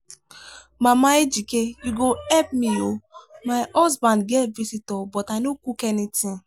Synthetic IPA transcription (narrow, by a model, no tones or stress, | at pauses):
mamaed͡ʒikejuɡoɛp̚miomaɪɔzbãndɡɛtvisitɔbɔtaɪnokukenitĩn